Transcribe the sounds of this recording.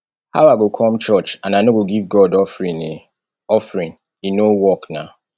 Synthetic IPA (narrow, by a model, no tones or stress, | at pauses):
ha̰waɡokʰɔ̃mt͡ʃɔt͡ʃãnanoɡoɡivɡɔdɔfɹĩne | ɔfɹĩn | hinowɔkna̰